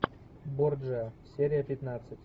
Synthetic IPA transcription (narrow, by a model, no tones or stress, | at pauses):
bord͡ʒəsʲeɾʲɪjəpʲɪt̪nat̪sɨtʲ